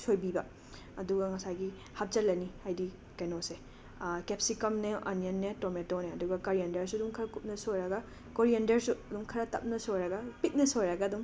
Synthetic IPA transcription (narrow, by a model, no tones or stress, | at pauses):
sojbibɐ | ɐduɡɐŋɐsajɡi | hɐp̚d͡ʒɐlɐnihajdi | kɐjnose | kep̚sikɐmneʔɐ̰nijɐnːetometoneɐduɡɐkɐɾijendɐɾsuɐdumkʰɐɾɐkup̚nɐsojɾɐɡɐ | koɾiendɐɾsuɐdumkʰɐɾɐtɐ̰p̚nɐsojɾɐɡɐpit̚nɐsojɾɐɡɐːdum